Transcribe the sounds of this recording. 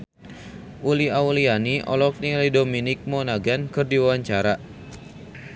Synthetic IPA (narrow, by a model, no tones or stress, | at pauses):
ʔuliaulianiʔɔ̰lɔk̚nilajdominɪk̚mɔnaɡankɨrdiwawaɲt͡ʃaɾa